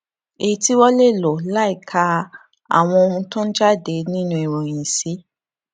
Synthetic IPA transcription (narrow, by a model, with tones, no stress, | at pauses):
e˨i˦ti˦wɔ˦le˦˨lɔ˨la˨˦i˦˨kʰa˧ | a̰˨w̃ɔ̃˧o˧ũ˧tɔ̃˦d͡ʒa˦˨de˨˦nĩ˦nũ˦i˨ɾ̃ɔ̃˨j̃ĩ˨si˨˦